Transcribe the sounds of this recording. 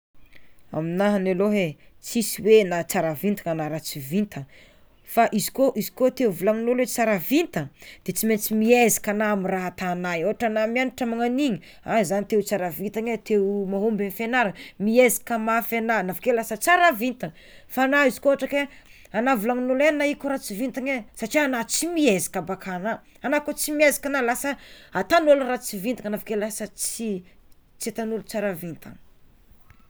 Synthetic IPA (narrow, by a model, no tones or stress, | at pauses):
a̰minaɦaneloɦet͡sisiwenat͡saɾavint̪ḁŋanaɾat͡sivint̪ʰə | faʔizi̥koʔizikot̪euvulaŋunulet͡saɾavint̪əd̪̥et͡siment͡simiezi̥kanaamiraɦat̪anajoɦaʈ͡ʂanamianiʈ͡ʂamaŋaniɲi | azanit̪ewt͡saɾavint̪aɲet̪ewmaɦombenifenaɾəmiezi̥kəmafenanavḁkelasət͡saɾavint̪aŋ | fanaizi̥koaʈ͡ʂake | anavulaŋinulenaikuɾat͡sivint̪aɲesaʈ͡ʂianat͡simiezi̥kabakʰana | anakot͡simiezi̥kanalasəat̪anolurat͡sivint̪aŋanavḁkelasət͡si | t͡sit̪anulut͡saɾavint̪a̰ŋ